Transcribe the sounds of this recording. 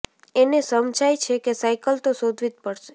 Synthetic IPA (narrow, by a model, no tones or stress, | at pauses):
enesəmd͡ʒajt͡ʃʰekesajkəlt̪osod̪ʱʋit̪̚pəɽʃe̥